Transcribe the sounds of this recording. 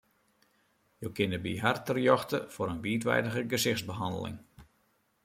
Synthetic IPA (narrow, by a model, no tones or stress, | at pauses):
jowkɪnəbiɦartərjɔxtəfoɾənʋiːtʋɛ̰jdəɣəɡəsɪxzbəɦɑndə̰lɪ̰ŋ